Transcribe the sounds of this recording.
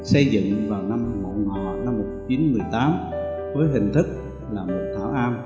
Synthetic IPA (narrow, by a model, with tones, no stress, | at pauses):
sə˧jzɨ̰˧˨ŋvaː˨˩wna˧m˩mo̰˧˨˩ŋɔ̰˧˨na˧mːo˨˩t͡ɕi˨˦nmɨ˨˩əjt̪aː˨˦mvəː˨˦jɦï˨˩ŋ̟t̪ʰɨ˦˥k̚ | laː˨˩mo˨˩t̚t̪ʰaː˧˩wʔaː˧m